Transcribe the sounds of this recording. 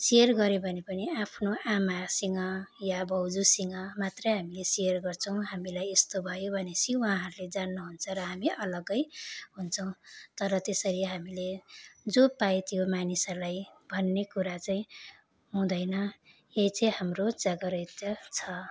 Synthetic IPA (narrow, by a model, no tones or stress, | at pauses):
sijʌrɡʌɾebʱʌnepʌniapʰnoʔamasiŋʌjabʱʌwd͡zusiŋʌmat̪rʌjɦamilesijʌrɡʌrt͡sʰʌ̃w̃ɦamilajest̪obʱʌjobʱʌnesiwaɦãɦʌɾuled͡zanːuɦunt͡sʰʌɾʌɦamiʔʌlʌɡʌjɦunt͡sʰʌw̃t̪ʌɾʌt̪esʌɾiɦamiled͡zopaet̪jomanisʌrlajbʱʌnːekuɾat͡saĩ | ɦũd̪ʌjnʌ | ejt͡sʌjɦamrod͡zʌɡʌɾʌt̪jʌt͡sʰʌ